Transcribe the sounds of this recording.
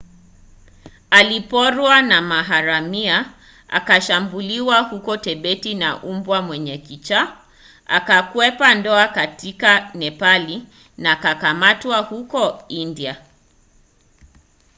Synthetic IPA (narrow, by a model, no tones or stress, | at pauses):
alipɔɾwanamaɦaɾamia | a̰kaʃambuliwahukɔtɛɓɛtina̰ʔumbwamwɛɲɛkit͡ʃa | a̰kakwɛpandɔakatʰikanɛpali | nakakamatwahukɔindia